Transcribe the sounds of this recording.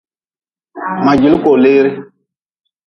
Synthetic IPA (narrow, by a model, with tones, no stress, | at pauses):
mã˨d͡ʒi˨lko˨leː˦ɾi˦